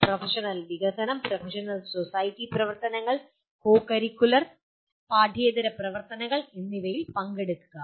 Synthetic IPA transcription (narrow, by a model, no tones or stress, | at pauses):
profɐʂɐnɐlʋiɣɐsɐnɐmprɐfʰɐʂɐnɐlsosɐjtːiprɐʋɐrt̪ɐnɐŋːɐɭ | koːkɐɾikʲːulɐr | paːɖʱeːd̪ɐɾɐprɐʋɐrt̪ɐnɐɣɐɭenːiʋɐjilpɐŋɡeɽukːuɣɐ